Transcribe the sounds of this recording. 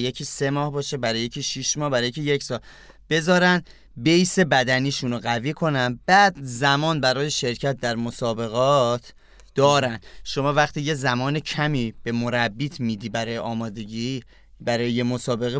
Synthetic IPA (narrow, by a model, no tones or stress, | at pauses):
jecʰiːse̞mɒːhbɒːʃebæɾɒːjecʰiːʃiʃmɒːhbæɾɒːjecʰijecsɒːl | b̥e̞zɒːɾæn | bejse̞bæd̪æniːʃunoɣæviːkʰo̞nænbæːd̪zæmɒːnbæɾɒːjeʃe̞ɾcʰæt̪̚d̪æɾmo̞sɒːbe̞ɣɒːt̪ʰ | d̪̥ɒːɾænd̪ʃo̞mɒːvæxt̪ʰiːjezæmɒːnecʰæmiːb̥e̞mo̞ɾæbːiːt̪ʰmiːd̪iːbæɾɒːjeʔɒːmɒːd̪e̞ɟi | bæɾɒːjejemosɒːbe̞ɣe